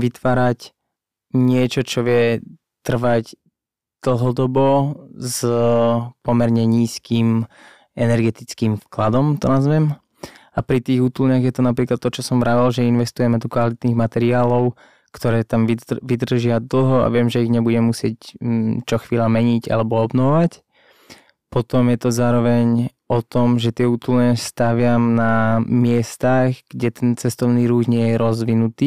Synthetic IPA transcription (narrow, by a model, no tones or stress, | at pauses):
ʋit̪ʋaːɾac | ɲɪɛt͡ʃɔt͡ʃɔʋɪɛ | t̪r̩ʋac | d̪̥l̩ɦɔd̪ɔbɔz | pɔmɛɾɲɛɲiːskiːm | ɛnɛɾɡɛt̪it͡skiːmfklad̪ɔmt̪ɔnazʋɛm | apɾit̪iːɣut̪ulɲaɣjɛt̪ɔnapɾiːklat̪ːɔt͡ʃɔsɔmʋɾaʋalʒɛinʋɛst̪ujɛmɛd̪ɔkʋalit̪niːɣmat̪ɛɾiaːlɔʊ | kt̪ɔɾɛːt̪amiʋid̪r̩ʒɪad̪l̩ɦɔa̰ʋɪɛmʒɛiɣɲɛbuɟɛmɛmusɪɛct͡ʃɔxʋiːlamɛɲiɟa̰lɛbɔɔbnɔʋɔʋac | pɔt̪ɔmjɛt̪ɔzaːɾɔʋɛɲ | ɔt̪ɔmʒɛt̪ɪɛuːt̪ulɲast̪aʋɪamnamɪɛst̪aɣɡ̥ɟɛt̪ɛnt͡sɛst̪ɔʊniːɾuːɣɲɪɛjɛɾɔzʋinut̪iː